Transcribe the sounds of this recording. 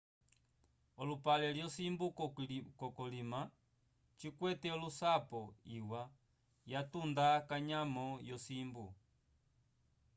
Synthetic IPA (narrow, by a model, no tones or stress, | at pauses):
ɔlupalɛljɔsimbukɔkɔlima | t͡ʃikwɛtɛɔlusapɔiwa | jatundakaɲamɔjɔsimbu